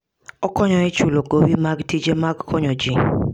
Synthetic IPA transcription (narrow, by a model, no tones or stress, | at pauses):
ɔkɔɲɔɛt͡ʃuloɡowimaɡtid͡ʒemaɡkʰɔɲɔd͡ʒi